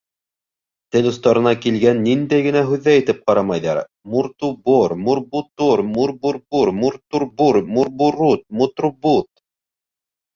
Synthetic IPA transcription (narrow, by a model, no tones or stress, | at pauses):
t̪ɘlŏst̪ɑɾɤ̆nɑkilɡænːind̪æjɡɘ̆næɦʉðːæjɘ̆t̪ɘp̚qɑɾɑmɑjðɑ̰ɾ | muɾt̪uboɾmuɾbut̪oɾmuɾbuɾbuɾmuɾt̪uɾbuɾmuɾbuɾut̪̚mut̪rubut̪